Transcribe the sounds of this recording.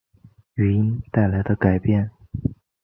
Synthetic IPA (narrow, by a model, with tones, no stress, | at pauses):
y˨˧˩i˥nt̪a˥˩ɪla˧˥ɪd̪ə˧ka˨˩ɪpjɛ˥˩n